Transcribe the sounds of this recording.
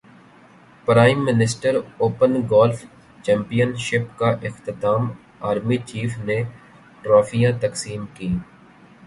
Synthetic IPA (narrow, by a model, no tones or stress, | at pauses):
pɾaːɪmːɪnɪsʈəɾoːpənɡɔːlf | t͡ʃɛ̃ːmpijənʃɪpkaʔɪxt̪ɪt̪aːm | aːɾmit͡ʃiːfne | ʈɾaːfijãt̪ɐksiːmkiː